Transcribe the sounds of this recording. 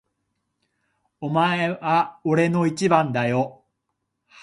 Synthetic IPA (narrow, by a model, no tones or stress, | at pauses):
omaeβaoɾe̞no̞it͡ɕibãnd̪ajo